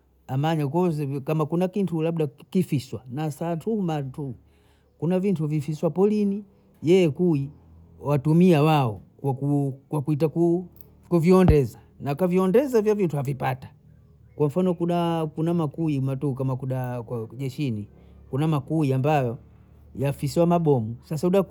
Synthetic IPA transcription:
amaɲakɔzɛkamakunakintulabdakifiswanasantumatu | kunavintuvifiswapɔlini | jɛjɛkui | watumiawaɔkakukwakuit̬aku | kuviɔndɛza | nakaviɔndɛzavjavintuavipatḁ | kwam̩fanɔkunakunamakuimatuːk̬amakuɗakwaʄɛʃini | kunamakuiambajɔ | jafisiwamaɓɔmusasauɗa

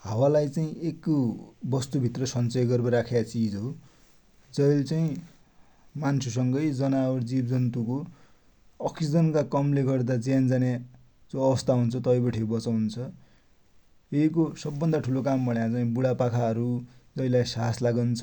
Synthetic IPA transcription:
ɦawalajt͡saĩʔekːobʌst̪ubʱit̪rʌsʌnt͡sʌjɡʌrbʌɾakʰeat͡sid͡zɦow | d͡zʌjlt͡saĩ | mansʰusʌŋɡʌjd͡zʌnaoɾd͡zibd͡zʌnt̪uko | ʌksid͡zʌnkakʌmleɡʌrd̪ad͡zãnd͡zanja | d͡zõʌbʌst̪aɦunt͡sʰʌt̪ʌjbʌʈʰebʌt͡sawnt͡sʰʌ | ekosʌbːʌnd̪aʈʰulokambʌɽjat͡saĩbuɽapakʰaɦʌɾud͡zʌjlajsaɦaslaɡant͡sʰʌ

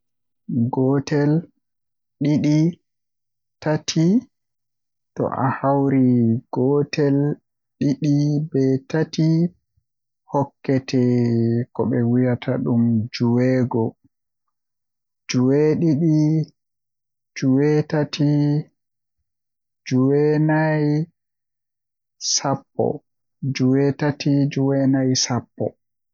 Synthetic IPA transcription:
ɡɔtɛl | ɗiɗi | tatʰi | tɔ̰ʔa̰hawɾiɡ̥ɔtʰɛl | ɗiɗibɛtati | hɔkːɛtʰɛkɔɓɛwijatʰaɗumd͡ʒuwɛːɡɔ | d͡ʒuweɗiɗi | d͡ʒuwɛtatʰi | d͡ʒuwɛnaj | sapːɔ̰ | d͡ʒuwɛtatid͡ʒuwɛnajsapːɔ̰

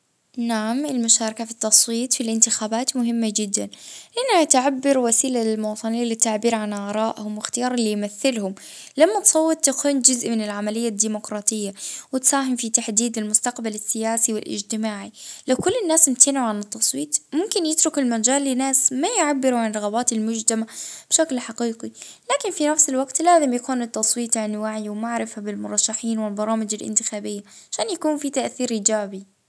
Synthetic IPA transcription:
naʕamɪlmʊʃaːɾˤɑkafit̪ːɑsˤwiːt̪ˤfilʔɪnt̪ɪxaːbaːt̪mʊɦɪmːad͡ʒɪd̪ːanʔɪnːhat̪ʕabːɪɾwasiːlaɪlmʊwɑːt̪ˤɨnɪjːalɪt̪ːaʕbiːɾʕanʔaɾˤɑːʔhʊmwɪxt̪ɪjɑːɾˤɪlːijmaθːɪlhʊm | lamːat̪sˤɑwːɑt̪̚ˤt̪ːakuːnd͡ʒʊzʔmɪnɪlʕamalɪjːad̪iːmʊkɾˤɑːt̪ˤɪjːawɪt̪saːɦɪmfit̪aħd̪iːd̪ɪlmʊst̪aqbalɪsːɪjaːsiwɪ̰lʔɪ̰d͡ʒt̪ɪmaːʕilawkʊlːɪnːaːsnɪt̪anʕʊʕanɪt̪ːɑsˤwiːt̪ˤmʊmkɪnjɪt̪ɾʊkɪlmad͡ʒaːlːɪnaːsmajʕabːɪɾuʕanrˤɑɣabaːt̪ɪlmʊd͡ʒt̪amab̥ʃaklħaqiːqilaːkɪnfinafsɪlwaɡt̪laːzɪmjakuːnɪt̪ːɑsˤwiːt̪ˤʕanwaʕiwmaʕɾɪfhabɪlmʊɾˤɑʃːaħiːnwɪlbɑɾˤɑːmɪd͡ʒalʔɪ̰nt̪ɪxaːbɪjːaʕaʃaːnjakuːnfit̪aʔθiːɾʔiːd͡ʒaːbi

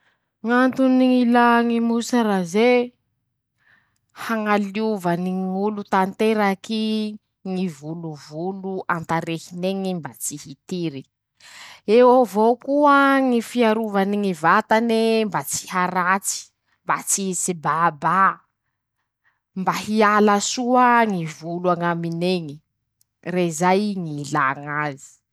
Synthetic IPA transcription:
ŋant̪uniŋilaŋimusaɾaze | haŋaliuvaniŋulut̪ant̪eɾaki | ŋivuluvuluant̪aɾehineŋimbat͡sihit̪iɾi | ewovokuəŋifiaɾuvaniŋivat̪anembat͡si̥haɾat͡si̥ | mbat͡sisibaba | mbahialasuəŋivuluaŋamineŋi | rezajŋilaŋazi̥

